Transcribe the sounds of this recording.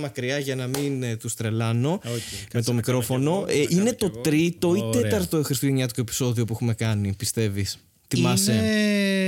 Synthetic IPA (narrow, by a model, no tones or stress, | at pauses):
mɐkɾiɐʝɐnɐmint̪ust̪ɾe̞lɐno̞me̞t̪o̞mikɾo̞fo̞no̞ʔine̞t̪o̞t̪ɾit̪o̞it̪e̞t̪ɐɾt̪o̞exɾist̪uʝeɲɐt̪̬ikoepi̥so̞ðio̞puexume̞kɐnipist̪e̞vis | θimɐse